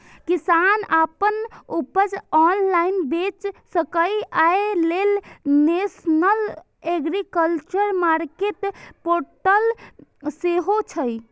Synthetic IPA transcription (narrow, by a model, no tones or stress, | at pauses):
kisanapənupəd͡ʒɔnlainbet͡ʃsəkəjaelelnesnəl | eɡɾikəlt͡ʃəɾmaɾkeʈpoɾʈəlseɦot͡ʃʰəj